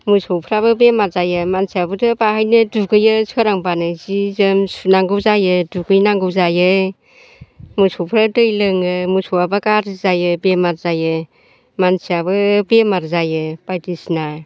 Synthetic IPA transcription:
musɔwpʰɾaβɯbemaɾzajɯmansiabɯdɯbahajnɯduɡɯjɯsʰɯɾaŋbanɯzizɯmsunaŋɡɯwzajɯduɡɯjnaŋɡɯwzajɯ | musɔpʰɾadɯjlɯŋɯmusowabɯkaɾzajɯbemaɾzajɯ | mansiabɯbemaɾzajɯb̥ajtisna

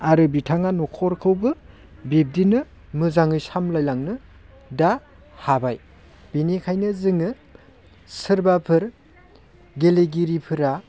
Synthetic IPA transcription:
aɾɯbitʰaŋanɔkʰɔɾkʰɯwbɯ | bip̚dinɯ | mɯzaŋɯjsamlajlaŋnɯ | da | habaj | b̥inekʰajnɯzɯŋɯ | sɯɾbapʰɯɾ | ɡeleɡiɾipʰɯɾa

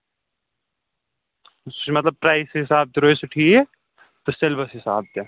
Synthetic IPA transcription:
sumɐt̪lɐb̚pɾaːɪsɦɪsaːb̚t̪eɾoːesʊʈʰie | t̪oselbɐsɦɪsa̰ːb̚t̪e

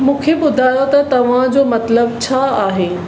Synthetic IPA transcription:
mũːkʰeɓʊd̪ʱaːjot̪ɐt̪ɐʋ̤ãd͡ʑoːmɐt̪ləbt͡ɕʰaːaːɦeː

